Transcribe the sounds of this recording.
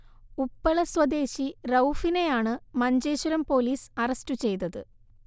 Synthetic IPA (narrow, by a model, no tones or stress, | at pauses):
upːɐɭɐswɐd̪e̞ːɕirɐwfine̞jaːɳɨmɐɲd͡ʑeːɕɐɾɐmpo̞ːliːsɐrɐstut͡ɕe̞jt̪ɐðɨ